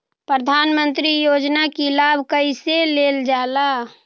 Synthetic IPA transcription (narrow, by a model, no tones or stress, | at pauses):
pɾəd̪ʱaːnmə̃nt̪ɾijoːd͡ʒnakilaːbʱkəiseleːld͡ʒaːla